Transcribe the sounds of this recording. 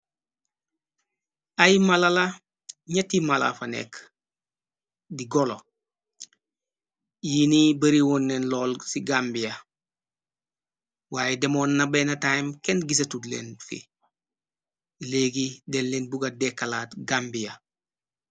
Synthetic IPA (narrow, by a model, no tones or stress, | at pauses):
ajmalala | ɲetimala̰fanḛk | diɡɔlo | jinibɐɾiwonːenlɔːlsiɡambijɐ | waːjedemonːabenɐtamkenɡis̬ɐtudlḛnfḭ | leɡidelːinbuɡadekːalaːtɡaːmbija